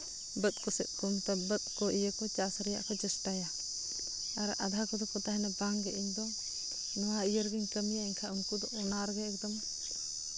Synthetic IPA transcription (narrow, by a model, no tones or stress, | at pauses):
bət̪̚kɔsɛt̪̚ˀkɔmt̪ɔbət̪̚kɔʔijəkɔt͡ʃasɾɛja̰ʔkʰɔd͡ʒəsʈaja | aɾʔa̰d̪ʱakɔd̪ɔkɔt̪aɦɛnabaŋɡɛʔiɲd̪ɔ | nɔwaijəɾɡiɲkəmijaiɲkʰaʔuŋkud̪ɔʔɔnaɾɡɛɛk̚d̪ɔm